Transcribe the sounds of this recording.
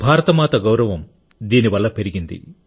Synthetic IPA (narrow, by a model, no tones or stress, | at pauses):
bʱaːɾɐt̪ɐmaːt̪ɐɡɐwɾɐʋɐm | d̪iːniʋɐlːɐpe̞ɾiɡind̪ḭ